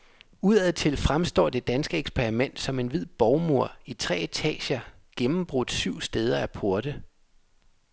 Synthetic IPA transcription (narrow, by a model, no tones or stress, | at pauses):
uð̞ˠɛð̰ˠt͡sʰe̝lfʁamsd̥ɒ̰ːd̥e̝d̥ænsɡ̥əeɡ̥spʰeʁimen̰d̥sɒ̽me̝nʋið̞̰ˠb̥ɒʊmo̝ɐ̰it͡sʰʁɛ̰ːet͡sʰɛ̰ːɕɐ | ɡ̥emm̩b̥ʁɔd̥syʊ̰sd̥eːð̞ˠɐæpʰo̝ɐd̥ə